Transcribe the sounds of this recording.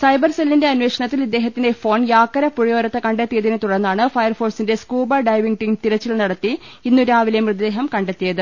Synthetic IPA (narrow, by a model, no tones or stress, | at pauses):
sɐjbɐrselːinde̞ɐnʋe̞ːkʂɐɳɐt̪ːilid̪ːeːɦɐt̪ːindefo̞ːnjaːkːɐɾɐpuɻijo̞ːɾɐt̪ːɐkɐɳɖet̪ːijɐðinɨt̪uɽɐnːaːɳɨfɐjɐrfo̞ːrsindeskuːbɐɖɐjʋiŋʈiŋt̪iɾɐt͡ɕːilnɐɽɐt̪ːi | inːuɾaːʋilɐjɐmrɨd̪ːe̞ːɦɐmkɐɳɖet̪ːijɐðɨ